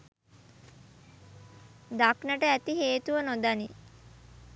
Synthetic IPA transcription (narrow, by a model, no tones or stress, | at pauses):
d̪aknəʈəæt̪iɦeːt̪uʋənod̪ani